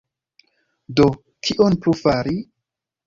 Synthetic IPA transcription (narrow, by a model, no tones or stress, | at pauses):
do̞ | kʰiʔonplufaɾi